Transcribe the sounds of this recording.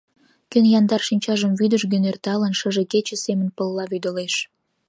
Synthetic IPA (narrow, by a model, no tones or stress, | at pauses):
kønjɑnd̪ɑrʃinʲt͡ɕɑʒəmvyd̪əʃɡənert̪ɑlənʃəʒeket͡ɕə̆semə̆npəlːɑβyd̪əleʃ